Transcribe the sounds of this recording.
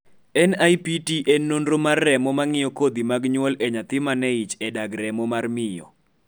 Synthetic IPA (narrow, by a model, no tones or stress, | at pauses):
ɛnajpitiʔenːondromarːɛmɔmaŋɪjɔkod̪imaɡɲwɔlɛɲat̪ɪmanɛit͡ʃɛdaɡɾɛmɔmarmɪjɔ̰